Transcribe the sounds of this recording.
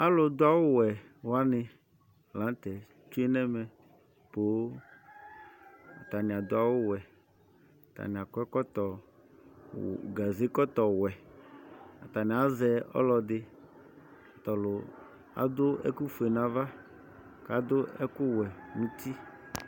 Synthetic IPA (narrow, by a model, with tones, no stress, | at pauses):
a˦lʊ˨d̪ʊ˦a˦˨wʊ˦wɛ˨ | wa˦nɪ˨ | lã˨˦t̪ɛ˨ | t͡ʃu˦e˦nɛ˦mɛ̃˨ | po˨˦ | a̰˨t̪a˨nɪ̃˨a˨d̪ʊ˦a˦˨wʊ˦wɛ˨ | t̪a̰˨nɪ̃˨a˨kɛ˦kɔ˦t̪ɔ˨ | ɡa˨ze˦kɔ˦t̪ɔ˨wɛ˨ | a˨t̪a˨nɪ̃˨a˦zɛ˨ɔ̰˦lɔ˨d̪ɪ˦ | a˨t̪ɔ˨lʊ˨ | a̰˨d̪ʊ˦ɛ̰˦ku˦fu˨e˨nã˨va˦ | ka˨˦d̪ʊ˦ɛ˦kʊ˦wɛ˨nũ˦t̪i˦